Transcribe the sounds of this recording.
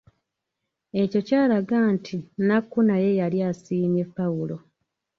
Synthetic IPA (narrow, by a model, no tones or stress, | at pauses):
e̞co̞caːlaɡaːntʰinakːunaje̞jaljasiːne̞pːawulo̞